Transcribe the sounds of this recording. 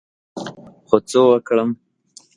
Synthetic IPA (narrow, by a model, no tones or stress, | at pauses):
xot͡sowəkɽəm